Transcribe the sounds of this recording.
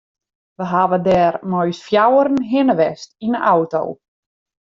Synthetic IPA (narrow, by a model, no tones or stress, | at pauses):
ʋəɦaʋədɛːrmɔjsfjawəɾn̩ɦɪnəʋɛstinənʔawto̰w